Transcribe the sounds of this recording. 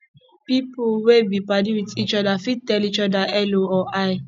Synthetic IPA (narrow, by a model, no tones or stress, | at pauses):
pipuwebipadiwitit͡ʃɔdafid̚tɛlit͡ʃɔdaʔɛloɔʔaɪ